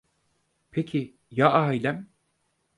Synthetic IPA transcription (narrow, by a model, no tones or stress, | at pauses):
pʰecʰi | jaʔaːjlʲæm